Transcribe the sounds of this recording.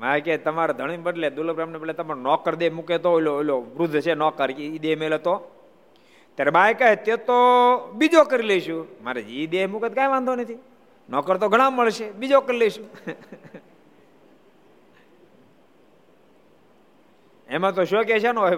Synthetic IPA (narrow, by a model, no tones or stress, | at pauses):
majket̪əmaɾad̪ʱəɽ̃ibəɖled̪ulpɾamnebəɖlet̪əmaɾonɔkəɾd̪emuket̪oiloiloʋɾʊd̪ʱːt͡ʃʰenɔkəɾid̪emelot̪o | t̪jaɾebajkaet̪et̪obid͡ʒokəɾileʃũma̰ɾed͡ʒiid̪emuket̪kãjʋãnd̪ʱonət̪ʰi | nɔkəɾt̪oɡʱəɽ̃ãmːəɭʃebid͡ʒokəɾileʃũ | emãt̪oʃoket͡ʃʰano